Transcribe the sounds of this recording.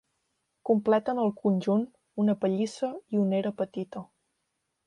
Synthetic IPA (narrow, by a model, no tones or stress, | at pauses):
kumplɛt̪ənəlˠkunʲʒun | unəpəʎisəiuneɾəpət̪it̪ə